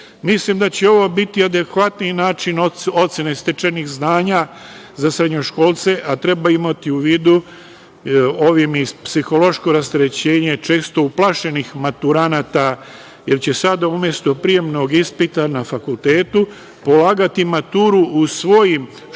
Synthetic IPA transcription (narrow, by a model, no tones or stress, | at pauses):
mislimd̪at͡ɕe̞o̞ʋo̞bit̪iad̪e̞kʋat̪ninaːt͡ʃinoo̞t̪sjenest̪et͡ʃenixznaːɲa | zasɾed̪ɲo̞ʃko̞ːlˠt̪se̞ʔat̪ɾe̞baimat̪iuʋiːd̪u | o̞ʋimispsixo̞lo̞ʃko̞ɾast̪eɾet͡ɕe̞ːɲe̞t͡ʃe̞ːst̪o̞uplˠaʃe̞nixmat̪uɾanat̪a | je̞ɾt͡ɕe̞sad̪aumje̞st̪o̞pɾije̞mno̞ɡispit̪anafakulˠt̪e̞ːt̪u | po̞laːɡat̪imat̪uːɾuusʋo̞jim